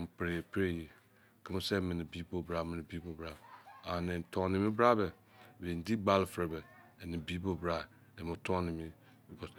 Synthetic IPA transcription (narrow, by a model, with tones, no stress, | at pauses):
m̩˨pɾe˨pɾe˦je˨ | kʰə˦m˦sɛ˦mẽ˨nĩ˨bi˨˦bo˨bɾa˨mɪ̃˨nɪ̃˨bi˨˦bo˨bɾa˦a˨nɛ̃˨ntʰɔ̃˨nĩ˨mĩ˦bɾa˦bɛ˨ | be˨n˨di˦ɡ͡ba˦lfɾe˨bɛ˨ɛ˨ni˨bi˦bo˨bɾa˦˨ | ɛ˨mo˨tʰɔ̃˦nĩ˨mĩ˦ | bi˨kʰɔ˨s